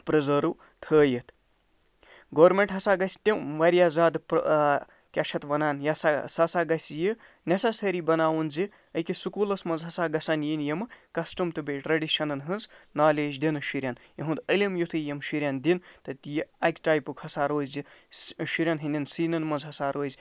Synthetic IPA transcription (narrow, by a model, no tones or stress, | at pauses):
pɾɐzɐɾu | t̪ʰəːjit̪ʰ | ɡoːɾmeɳʈɦɐsaːɡɐsʲt̪ʲeʋɐɾijaːzaːd̪p | kʲaʃʰɐt̪ʋɐnaːnjɐsasɐsaːɡɐsʲji | nʲɐsasɐɾibɐnaːwunzi | əjkisukuːlɐsmɐnzɦɐsaːɡɐsanjinjɐmɨkɐsʈɐmt̪ɨbeʈɾɐɖiʃɐnɐnɦɨnznaːleːd͡ʒd̪inɨʃiɾʲjaːnjɐɦũnd̪əlʲimjut̪ʰɨjemʃiɾʲjand̪int̪ɐt̪jiɐkʲʈaːjpukhɐsaɾoːzʲiʃiɾʲjanɦinʲd̪ʲinsiːnɐnmɐnzɦɐsaɾoːzʲ